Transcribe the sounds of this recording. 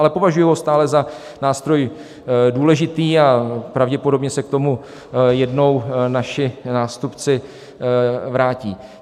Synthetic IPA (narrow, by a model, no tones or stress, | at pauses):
alɛpo̞vaʒujuɦost̪aːlɛza | naːst̪ɾo̞j | duːlɛʒɪt̪iːapɾavɟɛpo̞do̞bɲɛsɛk̚t̪o̞mu | jɛdno̞wnaʃɪnaːst̪upt͡sɪ | vɾaːciː